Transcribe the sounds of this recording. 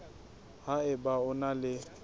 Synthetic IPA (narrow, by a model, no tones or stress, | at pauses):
ɦaɪbaʊnalɪ